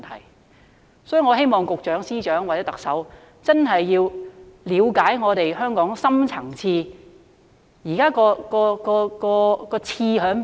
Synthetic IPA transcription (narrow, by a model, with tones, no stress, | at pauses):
t̪ʰɐ˨˩j | sɔː˨˥jy˨ŋɔː˨˧ɦe˥jmɔː˨ŋkʊ˨k̚t͡ʃœː˨˥ŋsiː˥t͡ʃœː˨˥ŋwa˨ɛː˨˦˥t̪ɐ˨k̚sɐ˨˥w | t͡sɐ˥nɦɐ˨jːiː˧wliː˨˧wkaː˨˥jŋɔː˨˧t̪e˨jɦœː˥ŋkɔː˨˥ŋsɐ˥mt͡sʰɐ˨˩ŋt͡sʰiː˧ | jiː˨˩kaː˥kɔː˧kɔː˧kɔː˧kɔː˧kɔː˧t͡sʰiː˧ɦœː˨˥ŋ